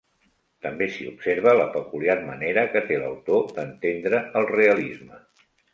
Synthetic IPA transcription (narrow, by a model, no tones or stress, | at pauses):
t̪əmbesiupseɾβ̞ələpəkuliarməneɾəkət̪elə̰wt̪od̪ənt̪end̪ɾəəlˠreəlizmə